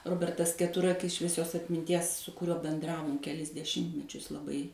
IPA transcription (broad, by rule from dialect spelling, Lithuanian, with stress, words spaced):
ˈroːbʲɛrtɐs kʲɛˈtʊrɐkʲɪs ʃʲʋʲiɛˈsʲoːs ɐtʲmʲɪnʲˈtʲiɛs sʊ kʊˈrʲuɔ bʲɛnˈdrɑːʋoːm kʲɛˈlʲɪs dʲɛˈʃʲɪmʲtʲmʲɛt͡ʃʲʊs lˠɐˈbɐɪ